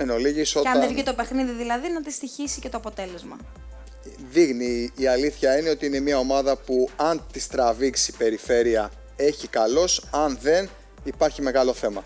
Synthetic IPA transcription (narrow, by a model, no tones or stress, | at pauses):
enoliʝiso̞tɐɐevit̪o̞pe̞xniðiðilɐðinɐt̪ist̪içisicet̪o̞ɐpo̞t̪e̞le̞zmɐ̰ | ðiɣniːɐliθçɐine̞o̞t̪iine̞miɐo̞mɐðɐpuɐnt̪ist̪ɾɐviksipe̞ɾife̞ɾiɐ | e̞çikɐlo̞sɐnðe̞n | ipɐɾçime̞ɣɐlo̞θe̞mɐ